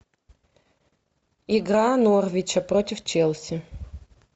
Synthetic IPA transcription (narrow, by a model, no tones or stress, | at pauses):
iɡɾanorvʲɪt͡ɕɐpɾotʲɪft͡ɕelˠsʲɪ